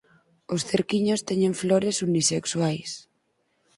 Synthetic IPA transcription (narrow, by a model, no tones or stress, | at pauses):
osθeɾkiɲost̪ɛɲẽɱfloɾesuniseksuajs